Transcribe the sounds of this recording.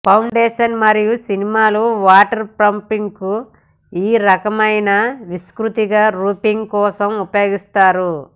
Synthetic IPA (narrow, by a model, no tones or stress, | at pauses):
pʰɐwɳɖeːʃɐnmɐɾijusinimaːluʋaːʈɐɾpɾɐmpiŋku | iːɾɐkɐmɐjnɐʋiskɾut̪iɡaːɾuːpiŋɡkɔːsɐmupɐjo̞ːɡist̪aːɾu